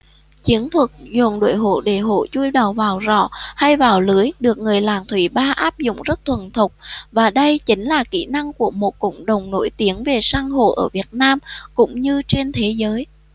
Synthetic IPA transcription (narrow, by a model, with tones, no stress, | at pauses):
t͡ɕi˨˦ənt̪ʰwə˨˩t̚zu˨˩nɗo̰˧˨jɦo̰˧˨ɗe˧˩ɦo̰˧˨t͡ɕu˧jɗə˨˩wvaː˨˩wzɔ̰˧˩˨ha˧jvaː˨˩wlɨ˨˦əjɗɨ˨˩ək̚ŋɨ˨˩əjlaː˨˩ŋt̪ʰwi˧˩ɓaː˧ʔaː˦˥p̚zʊ̰˧˨ŋ͡mzə˦˥t̚t̪ʰwə˨˩nt̪ʰʊ˨˩k͡p̚vaː˨˩ɗə˧jt͡ɕï˨˦ŋ̟laː˨˩kḭ˧˥˩na˧ŋku˧˩əmo˨˩t̚kə̰˧˨wŋ͡mɗə˨˩wŋ͡mno̰˧˥jt̪i˨˦ənve˨˩saː˧ŋɦo̰˧˨ʔəː˧˩vi˨˩ət̚naː˧mkʊ̰˧˥ŋ͡mɲɨ˧t͡ɕe˧nt̪ʰe˨˦zəː˨˦j